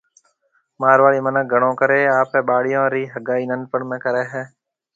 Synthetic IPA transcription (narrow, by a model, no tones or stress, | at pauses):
maːɾʋaːɭiːmənəɡʱəɳõːkəɾeːaːpɦɛ̃ːɓaːɽɪjõːɾiːɦəɡaːiːnənpəɳmẽːkəɾeːɦɛː